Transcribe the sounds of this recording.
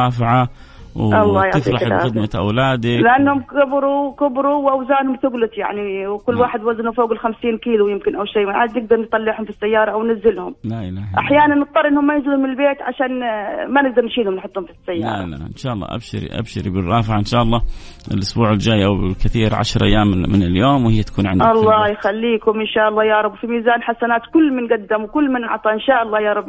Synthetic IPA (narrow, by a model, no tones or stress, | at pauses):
ɑːfʕa | wɑlˤːɑːjaʕɪfɾɑbxɪd̪maʔa̰wlaːd̪ɪlɪʔanːhʊmkʊbɾukʊbɾuwʔawzaːnhʊmθʊɡlʊt̪ja̰ʕniwkʊlːwaːħɪd̪waznufoːɡɪlxamsiːnkiːlujɪmkɪnʔawʃejːmaʕaːd̪nɪɡ̚d̪ɑɾˤnt̪ˤɑlːɪʕhʊmfisːajːɑːɾˤɑʔwnɪzːɪlhʊmlaʔɪlaːhʔaħjaːnanːɨt̪ˤːɑɾˤʔɪnːhʊmːajɪzɪlʊmɪnɪlbeːt̪ʕa̰ʃaːnmanɪɡ̚d̪ɑɾˤnʃiːd̪hʊmnħʊt̪ˤːhʊmfisːajːɑl̰a̰ːˤla̰ʔɪnʃaːʔɑlˤːɑ̰ːʔa̰bʃɪɾḭʔa̰bʃɪ̰ɾibɪrˤːɑːfɪʕʔɪnʃaːʔɑlˤːɑː | ɪlʔʊsbuːʕɪld͡ʒaːjʔawkaθiːɾʕa̰ʃɾˤʔa̰jːaːmmɪnɪljoːmwhɪjːat̪ḁkuːnʕɪnd̪ɑlˤːɑːjxalːiːkʊmʔɪnʃaːʔɑlˤːɑːjɑːɾˤɑbːfimiːzaːnħasanaːt̪kʊlːmɪnɡad̪ːamwkʊlːmɪnʔɑ̰ʕt̪ˤɑʔɪnʃaːʔɑlːɑːjɑːɾˤɑbː